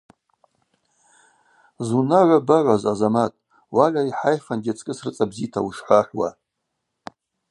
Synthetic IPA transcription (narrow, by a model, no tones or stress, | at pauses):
zunaʕʷabaʕʷazazamatʼ | waʕʲʷaiħajχanɡʲat͡sʼkʼɨsrɨt͡sʼabzitʰawuʂħʷaħʷwa̰